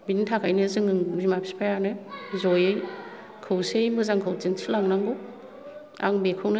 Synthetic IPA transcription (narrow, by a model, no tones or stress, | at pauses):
binitʰakʰajnɯzɯŋɯŋbimapʰi̥spʰajanɯzɔjɯj | kʰɯwsejmbɯzaŋkʰɯwtinsʰilaŋnaŋɡɯw | a̰ŋbekʰɯwnɯ